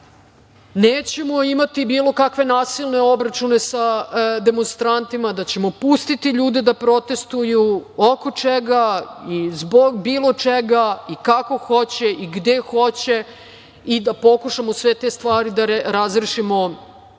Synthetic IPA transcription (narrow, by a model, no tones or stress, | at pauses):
neːt͡ɕemoimat̪ibiːlˠo̞kakʋe̞naːsilne̞o̞bɾat͡ʃune̞sad̪e̞monst̪ɾant̪imad̪at͡ɕe̞mo̞pust̪it̪iʎuːd̪ed̪apɾo̞t̪e̞st̪ujuoko̞t͡ʂeɡaizboɡbiːlˠo̞t͡ʂeɡaikako̞xo̞t͡ɕeʔiɡd̪exo̞t͡ɕe̞ | id̪apo̞kuʂamosʋet̪est̪ʋaːɾid̪aɾɾazɾeʃimo